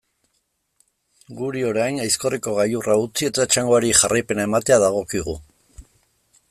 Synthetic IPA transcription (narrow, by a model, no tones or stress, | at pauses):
ɡuɾio̞ɾajnajsko̞riko̞ɣajuraut͡sie̞t̪aet͡ʃaŋɡo̞aɾiʝarajpe̞nae̞mat̪e̞aðaɣ̞o̞kiɣu